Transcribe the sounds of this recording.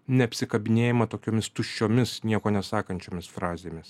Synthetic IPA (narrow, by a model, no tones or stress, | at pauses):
nʲɛɐpʲsʲɪkɐbʲɪnʲeːjɪmɐt̪oːkʲoːmʲɪst̪ʊʃʲt͡ʃʲoːmʲɪsnʲiɛkoːnʲɛsɑːkɐnʲt͡ʃʲoːmʲɪsfɾɑːzʲeːmʲɪs